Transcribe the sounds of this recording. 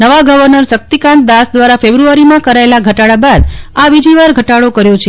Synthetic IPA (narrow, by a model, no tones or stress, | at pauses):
nəʋaɡəʋəɾnəɾsək̚t̪ikãnt̪̚d̪asd̪ʋaɾafebɾuaɾimãkəɾaelaɡʱəʈaɽabad̪aʋid͡ʒiʋaɾɡʱəʈaɽokəɾjot͡ʃʰe